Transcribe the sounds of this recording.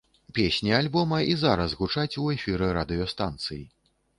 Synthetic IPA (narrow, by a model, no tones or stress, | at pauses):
pʲesʲnʲialʲbɔmɐʔizaɾɐszɣut͡ʂat͡sʲuɛfʲiɾɨɾad̪ɨjɔst̪ant̪sɨji